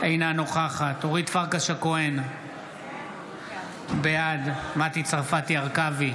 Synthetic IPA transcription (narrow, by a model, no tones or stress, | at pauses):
ejnanoχaχat̪oʁit̪faʁkaʃakoen | bejad̪mat̪it͡sʁafat̪iaʁkavi